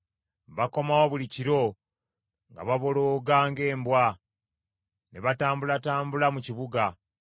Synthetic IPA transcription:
βako̞mawoβuliciɾo̞ | ŋɡa̰βaβo̞loːɡaːŋɡe̞ːmbwa | neβataːmbulataːmbulamuciβuɡa

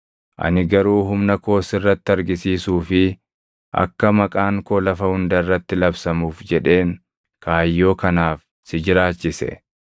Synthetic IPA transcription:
ʔɐ̰nɪɡɐɾuːɦʊmnɐko̞ːsɪrːɐt̪ːɪɐɾɡɪsiːsuːfɪ | ʔɐ̰kːɐmɐkʼaːŋkolɐfɐhʊnd̪ɐɪrːɐt̪ːɪlɐbsɐmuːfd͡ʒɛᶑe̞ːŋ | kʰaːjːo̞ːkɐnaːf | sɪd͡ʒɪɾaːt͡ʃːɪsɛ̰

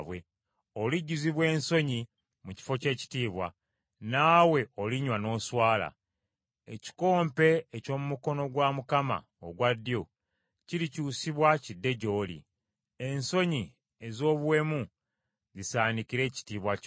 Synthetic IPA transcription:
βwe̞ | oliɟːuziβwe̞ːnso̞ɲi | muci̥fo̞ce̞ːci̥tiːβwa̰ | naːwe̞oliɲwano̞ːswaːla̰ | ḛci̥ko̞ːmpe̞ːco̞ːmumuko̞no̞ɡwamukama̰ | o̰ɡwadːijo | ciɾicuːsiβwacidːe̞ɟo̞ːlḭ | enso̞ɲi | e̞zo̞ːβwe̞mu | zisaːnikiɾe̞ːci̥tiːβwa

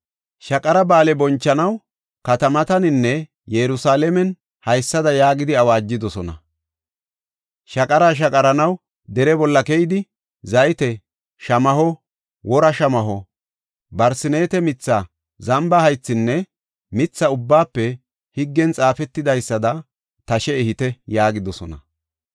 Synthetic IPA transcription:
ʃɐkʼɐɾɐbaːlɛbɔnt͡ʃːɐnɐw | kɐt̪ɐmɐt̪ɐnɪnːɛ | jɛɾʊsaːlɛmɛn | hɐjsːɐd̪ɐjaːɡɪd̪ɪɐwaːd͡ʒːɪd̪ɔsɔnɐ̰ | ʃɐkʼɐɾaːʃ̬ɐkʼɐɾɐnɐw | d̪ɛɾɛbɔlːɐkɛjɪd̪ɪ | zɐjɪt̪ɛ | ʃɐmɐɦɔ | wɔɾɐʃɐmɐɦɔ | bɐɾsɪneːt̪ɛmɪt͡sːa | zɐmbɐhɐjt͡sːɪnːɛ | mɪt͡sːɐʊbːaːpːɛ | hɪɡːɛnt͡sʼaːfɛt̪ːɪd̪ɐjsːɐd̪ɐ | t̪ɐʃɛɪhɪt̪ɛjaːɡɪd̪ɔsɔnɐ

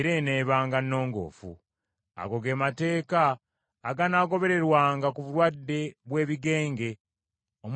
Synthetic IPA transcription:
ɾe̞ne̞ːβaːŋɡanːo̞ːŋɡo̞̰ːfṵ | a̰ɡo̞ɡe̞ːmate̞ːkaː | ɡanaːɡo̞βe̞ɾe̞ɾwaːŋɡakuβuɾwadːe̞βwe̞ːβiɡe̞ːŋɡe̞ | om

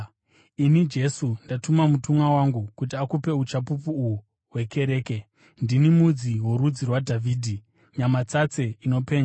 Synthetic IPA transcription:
inid͡ʒe̞sundatumamutumwawaŋɡukutiakupe̞ut͡ʃapupuːu | ɦwe̞ke̞ɾe̞ːke̞ | ndinimud͡ziwo̞ɾud͡zirwadʱavʱiːdʱi | ɲamat͡sat͡se̞ino̞pe̞ːɲa

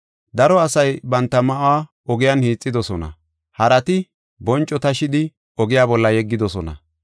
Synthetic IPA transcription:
d̪ɐɾɔɐsɐjbɐnt̪ːɐmɐʔaː | ɔɡɪjanhiːt͡sʼːɪd̪ɔsɔnɐ̰ | hɐɾɐt̪ɪ | bɔnt͡ʃʼːɔt̪ɐʃɪd̪ɪ | ɔɡɪjaːbɔlːɐjɛɡːɪd̪ɔsɔnɐ̰

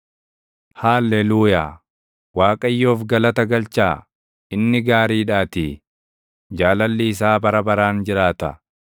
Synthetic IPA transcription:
haːlːeːluːja̰ː | waːkʼɐjːoːfɡɐlɐt̪ɐɡɐlt͡ʃaː | ɪnːɪɡaːɾiːᶑaːt̪i | d͡ʒaːlɐlːiɪs̬aːbɐɾɐbɐɾaːnd͡ʒɪɾaːt̪ɐ̰

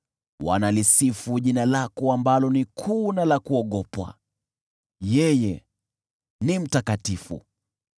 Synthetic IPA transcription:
wa̰nalisifuʄinalakɔambalɔnikʰunalakuɔɠɔpwa̰ | jɛjɛ | nim̩takatifṵ

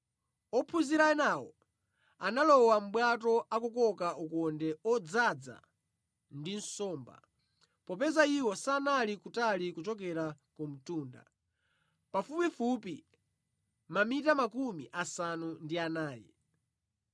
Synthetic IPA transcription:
ɔpʰuziɾaɛnawɔ̰ | analɔwam̩ɓwatɔakɔkɔkaukɔndɛɔd͡zad͡za̰ | ndin̩sɔːmba̰ | pɔpɛzaiwɔsanalikutalikut͡ʃɔk̬ɛɾakɔm̩tuːnda̰ | pafupifupi | mamitamakumiʔasanundianaːjɛ̰

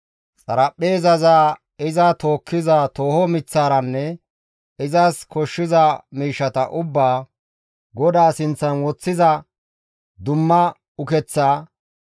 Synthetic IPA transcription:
t͡sʼɐɾɐpʼːeːzɐzaː | ɪzɐt̪o̞ːkːɪzat̪oːhɔmɪt͡sːaːɾɐnːɛ | ɪzɐskɔʃːɪzɐmiːʃːɐt̪ɐʔʊbːaː | ɡɔd̪aːsɪnt͡sːɐnwɔt͡sːɪzɐ | d̪ʊmːɐ | ʊkɛt͡sːaː

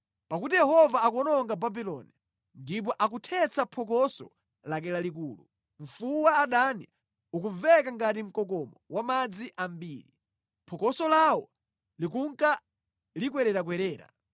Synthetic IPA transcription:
pakutijɛhɔvaːkɔnɔŋɡababilɔni | ndip̬ɔʔak̬utʰɛt͡sapʰɔk̬ɔsɔ̰ | lak̬ɛlalikuːlṵ | ɱ̩fuwaːɗania | ukuvɛkaŋɡatim̩kɔk̬ɔmɔwamad͡ziʔambiːɾi | pʰɔkɔsɔlawɔ | lik̬uŋka | likwɛɾɛɾak̬wɛɾɛːɾa̰

